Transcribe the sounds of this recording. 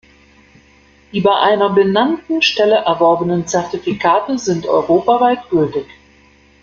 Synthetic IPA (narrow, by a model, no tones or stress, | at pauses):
d̥iːbaɪʔaɪnɐbənantn̩ʃtɛləʔɛɐvɔɐbənənt͡sɛɐtifikʰaːtəzɪntɔ̰ʏʁ̞oːpavaɪtɡ̥ʏltɪç